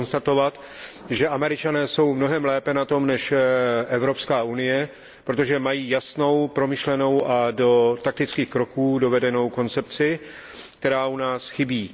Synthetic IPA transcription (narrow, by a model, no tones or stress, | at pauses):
nst̪at̪o̞vat̪ | ʒɛʔamɛɾɪt͡ʃanɛːso̞wmno̞ɦɛmlɛːpɛnat̪o̞mnɛʃʔɛvɾo̞pskaːunɪjɛ | pɾo̞t̪̬o̞ʒɛmajiːjasno̞wpɾo̞mɪʃlɛno̞wʔado̞t̪ak̚t̪ɪt͡skiːxkɾo̞kuːdo̞vɛdɛno̞wko̞nt͡sɛpt͡sɪ | k̚t̪ɛɾaːunaːsxɪbiː